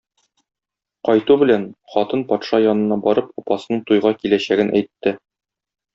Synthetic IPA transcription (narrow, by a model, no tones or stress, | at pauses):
qɒjt̪ubɘ̆lænχɒt̪ɤnpɒt̪ʃɑjɒnɤ̆nɑbɒɾɤp̚ɒpɑsɤ̆nɤɴt̪ujʁɑkilæɕæɡɘnʔæjt̪ːɘ